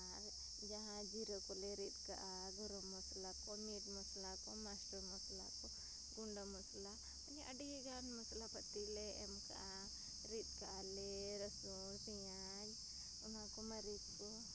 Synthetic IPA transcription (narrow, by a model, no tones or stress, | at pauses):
aɾ | d͡ʒɐɦãd͡ʒiɾokoleɾit̪ka̰ʔa | ɡəɾomuslakomiʈmuslakomasʈuɾmusla̰ko | ɡuɳɖamusla | ɐniʔɐɖɡiɡaːnmuslapət̪ileemka̰a | ɾit̪̚kaaleɾɐsunsija | d͡ʒ | umãkomɐɾikː | o